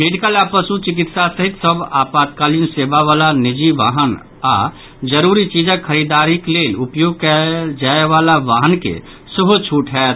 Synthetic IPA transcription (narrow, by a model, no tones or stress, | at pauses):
meɖikəlapəsut͡ʃik̬it̪sasəɦit̪səbʱapad̪̚kalinsebaʋalanid͡ʒiʋa̰ɦən | a | d͡ʒəɾuɾit͡ʃid͡ʒəkʰːəɾid̪aɾiklelupjoɡ̚kɛd͡ʒaeʋalaʋaɦənkḛ | səbʱut͡ʃʰuʈɦɛːt̪